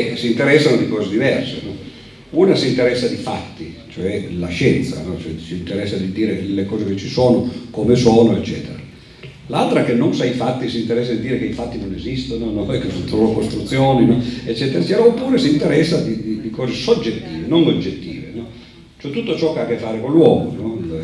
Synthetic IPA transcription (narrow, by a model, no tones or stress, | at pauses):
ɛsiːnt̪eɾɛsːanod̪ikɔːzed̪ivɛrsenɔ | uːnasiːnt̪eɾɛsːad̪ifa̰t̪ːit͡ʃoɛlaʃɛnt̪sa̰nɔt͡ʃoɛsiːnt̪eɾɛsːad̪id̪iːɾelekɔːzeket͡ʃːisoːnokomesoːnoet͡ʃːɛːt̪eɾa | lalt̪ɾakenːonsaifat̪ːisint̪eɾɛsːad̪id̪iːɾekeifat̪ːinonezist̪ononɔɛkːesont̪lookost̪ɾut̪sːjoːninɔet͡ʃːɛːt̪eɾat͡ʃɛɾaopːuːɾesint̪eɾɛsːad̪id̪id̪ikɔːzesod͡ʒːet̪ːiːvenoŋod͡ʒːet̪ːḭːvḛnɔ | t͡ʃoɛt̪ut̪ːot͡ʃɔkeakːefːaːɾekolːwɔːmo̰nɔ